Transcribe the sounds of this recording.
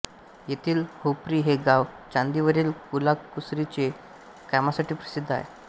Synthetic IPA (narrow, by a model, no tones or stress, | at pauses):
jet̪ʰiːlhopɾiːɦeɡaʋ | t͡ɕãnd̪iʋəɾiːlkulakːusɾit͡ɕe | kamasaʈiːpɾəsid̪ʱːa̰jḛ